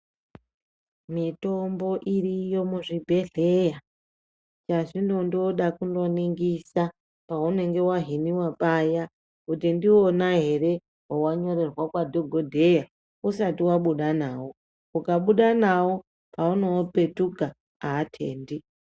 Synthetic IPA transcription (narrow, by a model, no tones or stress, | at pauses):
mito̞mbo̞ʔirijo̞muʐibʱe̞ɮe̞ja | t͡ʃaʐindo̞ndioɗakundo̞niŋɡisa | paune̞ŋɡe̞waɦiniwapaja | kutindio̞naɦe̞re̞ | ɦowaɲo̞re̞rwakwadʱoɡʱo̞dʱe̞ja | usatiwaɓuɗanaːwo | ukaɓuɗanawo | pauno̞pe̞tukaː | tʰḛːndi